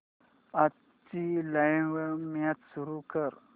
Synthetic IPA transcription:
a | t͡ɕilajʋəmjat̪suɾukəɾ

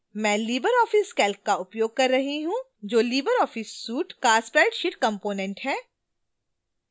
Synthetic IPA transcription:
mɛ̃ːliːbəɾɔːfɪskɛːlk̚kaʊpjoːɡ̚kɐɾːɐɦiɦũ | d͡ʒoːliːbəɾɔːfɪsːuːʈkaspɾɛːɪʈʃɪʈkɐ̃mpoːnẽɳʈɦɛː

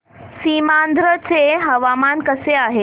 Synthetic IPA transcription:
simand̪ɾət͡seɦəʋamankəseaɦe

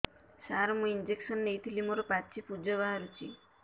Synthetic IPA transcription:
saɾmũind͡ʒeksɔnːejt̪ʰilimoɾɔpat͡ʃʰipud͡ʒɔβaɦaɾut͡ʃḭ

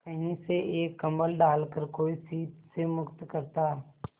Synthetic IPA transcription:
kəɦĩseʔeːkːɐ̃mbəlɖaːlkəɾkoːisiːt̪semʊkt̪kɐɾt̪aː

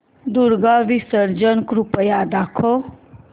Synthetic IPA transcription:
d̪uɾɡaʋisəɾd͡ʒənkɾupəjaːd̪aːkʰo

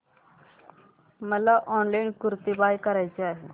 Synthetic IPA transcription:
məlaʔɔnlainkuɾt̪ibajkəɾajt͡seaɦe

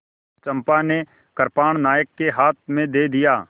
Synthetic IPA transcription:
t͡ʃə̃mpane | kəɾpaːɽ̃naːjəkːeɦaːt̪̚ʰmẽd̪eːd̪ijaː

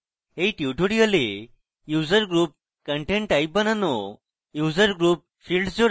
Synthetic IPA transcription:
ɦeʈiʈʰoɽiəle | jud͡zəɾɡɾuːp̚ | kəɳʈẽɳʈaip̚bənano | jud͡zəɾɡɾuːp̚ | fiːlɖsd͡zoɾ

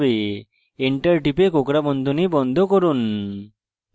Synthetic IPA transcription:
be | eɳʈəɾʈipekokɾabɔnd̪ʱonibɔnd̪ʱokoɾun

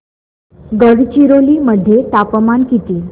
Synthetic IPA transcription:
ɡəɽt͡ɕiɾoliməd̪ʱːjeʈapmankit̪iː

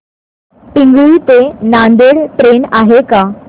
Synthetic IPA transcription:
piŋɡuit̪enand̪eɽʈɾenaɦeka

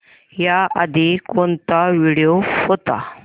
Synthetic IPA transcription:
jaəd̪ʱikɔnt̪aʋiɽijofɔt̪a̰

